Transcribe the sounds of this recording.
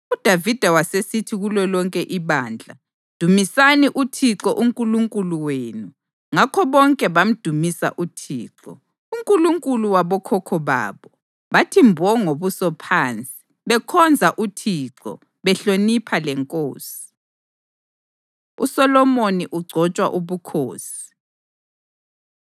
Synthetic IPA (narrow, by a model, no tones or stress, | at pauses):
ud̥ʱavid̥ʱawasesitʰiɣulɔlɔŋkʼɛʔiβaːnd͡ɮʱa̰ | d̥ʱumisaniʔutʰiǁɔʔuŋkʼuluŋkʼuluweːnu | ŋakʰɔβɔŋkʼɛβam̩d̥ʱumisa̰ʔutʰḭːǁɔ̰ | uŋkʼuluŋkʼuluwaβɔkʰɔkʰɔβa̰ːβɔ | βatʰimbʱɔŋoβusɔpʰaːnt͡sʼi̥ | βɛkʰɔnd͡zʱaʔutʰiǁɔ̰ | βɛɬonipʰalɛŋkʼo̰ːsi̥ | ṵsɔlɔmoniʔuɡ͡ǀʱɔt͡ʃʼwa̰ʔuβukʰo̰ːsi̥